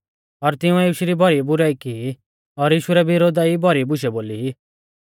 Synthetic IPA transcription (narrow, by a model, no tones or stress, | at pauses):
ɔɾt̪ɪũɛiːʃiɾibʱɔɾibʊɾaikii | ɔɾjiːʃuɾɛbʱɪɾoːd̪aibʱɔɾibʊʃ̬ɛboːliɦi